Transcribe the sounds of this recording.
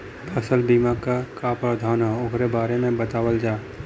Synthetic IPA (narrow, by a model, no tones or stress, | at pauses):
pʰəsəlbiːmakakapəd̪ʱaːnaokɾebaːɾemẽbət̪aːwəld͡ʒaː